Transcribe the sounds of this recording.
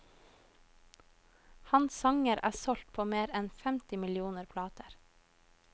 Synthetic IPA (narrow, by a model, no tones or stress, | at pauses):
hɑnssɑŋəɾæ̰ːsɔlt̪̚pʰoːmeːɾɛnfɛmt̪ɪmɪlɪuːnəɾpʰlɑːt̪əɾ